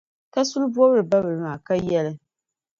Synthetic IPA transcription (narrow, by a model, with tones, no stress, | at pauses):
ka˦sʊ˦lbu˦ɔ˦bɨ˦ɾɨ˨ba˦bɨ˨ɾɨ˨maː˨ka˦jɛ˦lɨ˦